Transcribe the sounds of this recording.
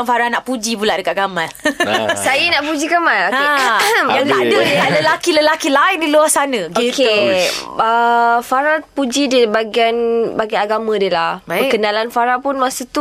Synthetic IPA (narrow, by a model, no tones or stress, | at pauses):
ŋfaɾanaʔpud͡ʒipulaʔdəkat̪̚ɡamalsajənaʔpud͡ʒikəmaloejaadəaləlakiləlakilaɪndiluahsanə̃ɡike | əfaɾapud͡ʒidibaɡianbaɡiaaɡamə̃dəlahbaəkənalanfaɾapunmasut̪u